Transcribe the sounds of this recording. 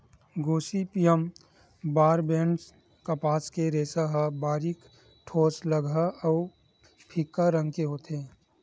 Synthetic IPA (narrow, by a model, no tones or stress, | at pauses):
ɡoːsipijəm | baːɾbẽːɳɖs | kɐpaːskeɾeːsaɦəbaːɾik | ʈʰoːsləɡʱaəʊ | pʰikːaɾə̃ŋɡkeɦoːt̪eː